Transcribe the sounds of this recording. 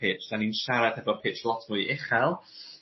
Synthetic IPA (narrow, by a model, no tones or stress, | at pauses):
ɪːt͡ʃd̥aninʃaɾad̥hɛvɔpʰɪt͡ʃlˠɔtʰmujʔɪχɛlˠ